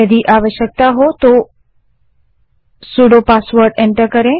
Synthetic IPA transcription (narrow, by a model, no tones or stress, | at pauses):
əd̪ʱiʔaʋəʃjək̚t̪aɦot̪o | suɽopasʋəɾɖeɳʈəɾkəɾẽ